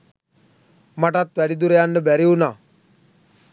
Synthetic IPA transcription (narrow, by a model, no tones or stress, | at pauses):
maʈat̪ʋæɖid̪uɾejanɖəbæɾiunaː